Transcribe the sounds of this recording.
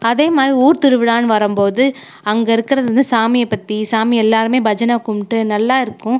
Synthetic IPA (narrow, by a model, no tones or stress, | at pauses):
ɐðeːmaːd̪ɾiuːɾt̪ɪɾɯʋɪɽaːnʋɐɾɯmpoːðɯ | ɐŋɡɐɪɾɯkːɪɾɐðɯnd̪ɯsaːmɪjɐpːɐt̪ːisaːmiɛlːaːɾɯmeːbɐd͡ʒɐnakʊmʈːɯnɐlːaːɪɾɯkːʊ̃